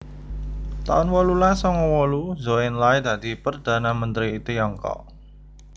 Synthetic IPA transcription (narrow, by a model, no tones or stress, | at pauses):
t̪a̰ʊnwɔlulasɔŋɔwɔluzoɪnlajd̪ä̤d̪̥i̤pərd̪̥a̤namənt̪ɾiːt̪ujɔŋkɔ̰ʔ